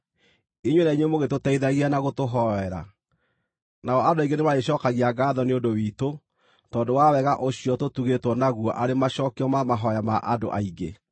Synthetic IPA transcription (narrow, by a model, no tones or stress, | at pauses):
iɲwenaiɲwemoɣetotɛiðaɣianaɣotoɦɔɛɾa̰ | naɔadoaiɡenemaeɕɔːkaɣiaɡaːðɔneondowito | tɔːdowawɛɣaʔoɕiɔtotuɣetwɔnaɣuɔʔaɾemaɕɔːkeɔmamaɦɔjamaʔado̰ʔaiɡḛ